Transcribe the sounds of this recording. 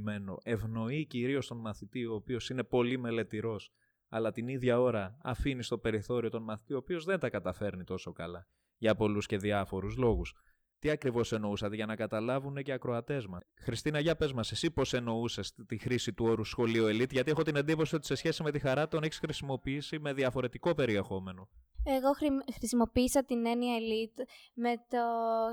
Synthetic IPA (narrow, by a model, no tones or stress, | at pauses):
me̞no̞̰ʔe̞vno̞iciɾio̞st̪o̞nmɐθit̪io̞ːpio̞sine̞po̞lime̞le̞t̪iɾo̞s | ɐ̰lɐt̪iniðʝɐo̞ɾɐːfinist̪o̞pe̞ɾiθo̞ɾio̞t̪o̞nmɐθi̥t̪ioːpio̞zðent̪ɐkɐt̪ɐfe̞ɾnit̪o̞so̞kɐlɐ | ʝɐpo̞lusce̞ðiɐfo̞ɾuzlo̞ɣus | t̪iɐkɾivo̞se̞no̞usɐt̪eʝɐnɐkɐt̪ɐlɐvune̞ce̞ɐkɾo̞ɐt̪e̞zmɐxɾist̪inɐʝɐpe̞zmɐse̞sipo̞se̞no̞usest̪ixɾisit̪uo̞ɾusxo̞lioelit̪ʝɐt̪ie̞xo̞t̪inɐnd̪ipo̞sio̞t̪i̥se̞sçe̞sime̞t̪ixɐɾɐt̪o̞neçisxɾisimo̞piːsime̞ðiɐfo̞ɾe̞t̪iko̞pe̞ɾie̞xo̞me̞no̞eɣo̞xɾxɾisimo̞piːsɐt̪ine̞niɐelit̪met̪o